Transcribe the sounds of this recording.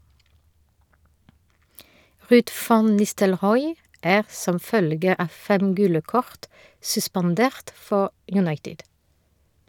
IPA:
ˈʁʉːd ˈfɑn nɪstəlˈʁɔʏ ˈæːʁ ˈsɔm ˈfœlɡə ˈɑː ˈfɛm ˈɡʉːlə ˈkɔʁt sʉspɑnˈdeːʁt ˈfɔ jʉˈnɑɪtɪd

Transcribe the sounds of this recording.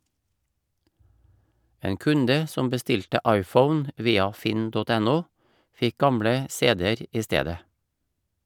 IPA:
ˈeːŋ ˈkʉndə ˈsɔm bəˈstɪltə ˈɑɪˌfəʊn ˈʋiːɑ ˈfɪn ˈdɔt ˈɛˌnuː ˈfɪk ˈɡɑmɽə ˈseːdɛəɾ ˈiː ˈsteːdə

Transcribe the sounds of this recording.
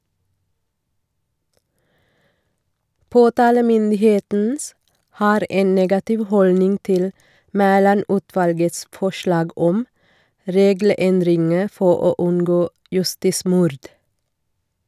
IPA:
ˈpoːtɑːləmʏndɪˌheːtn̩ ˈhɑːɾ ˈʔeːn ˈneːɡɑtɪʋ ˈhɔlnɪŋ ˈtɪl ˈmæːlɑˌnʉːtʋɑlɡəts ˈfɔʃlɑːɡ ˈɔm ˈɾeːɡl̩ˌɛndɾɪŋə ˈfɔ ˈoː ˈʉnɡoː jʉˈstiːˌsmʊɾd

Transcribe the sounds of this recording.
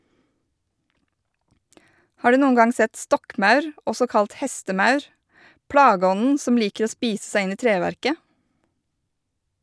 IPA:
ˈhɑːɾ ˈdʉː ˈnuːən ˈɡɑŋ ˈsɛt ˈstɔkˌmɑʉɾ ˈɔsɔ ˈkɑlt ˈhɛstəˌmɑʉɾ ˈpɽɑːˌɡɔnən ˈsɔm ˈliːkəɾ ˈoː ˈspiːs ˈsæɪ ˈɪn ˈiː ˈtɾeːʋæɾkə

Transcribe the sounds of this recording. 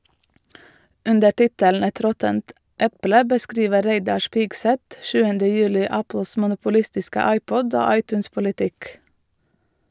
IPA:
ˈʉndə ˈʈɪtələn ˈɛt ˈɾɔtənt ˈɛplə bəˈskɾiːʋə ˈɾæɪdɑɾ ˈʃpɪɡsɛt ˈʃʉːəndə ˈjʉːlɪ ˈæpl̩s mʊnʊpʊˈlɪstɪskə ˈɑɪˌpɔd ˈoː ˈɑɪˌtʉːns pʊlɪˈtɪk

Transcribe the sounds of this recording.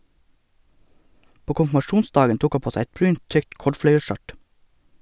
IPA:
ˈpoː kʊmfmɑˈʃuːnˌsdɑːɡən ˈtuːk ˈɑ ˈpoː ˈsæɪ ˈɛt ˈbɾʉːnt ˈtʏkt ˈkɔɖfɽœʏəˌʃœʈ

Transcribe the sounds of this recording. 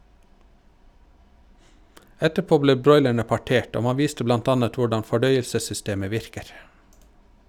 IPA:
ˈɛtəˌpoː ˈbleː ˈbɾɔʏlæɳə pɑˈʈeːʈ ˈoː ˈmɑ ˈʋiːstə ˈblɑnt ˈɑːnət ˈʋʊɖɑn fɔˈɖœʏəlsəsʏˌsteːmə ˈʋɪɾkəɾ

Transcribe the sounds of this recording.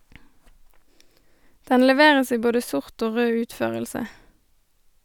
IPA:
ˈdɛn lɛˈʋeːʁəs ˈiː ˈboːdə ˈsʊʁt ˈoː ˈʁøː ˈʉːtˌføːʁəlsə

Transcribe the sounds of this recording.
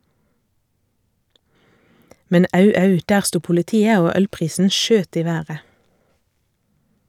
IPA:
ˈmɛn ˈɑʉ ˈɑʉ ˈdæːʁ ˈstuː pʊləˈtiːə ˈoː ˈœlˌpʁiːsn̩ ˈʃøːt ˈiː ˈʋæːʁə

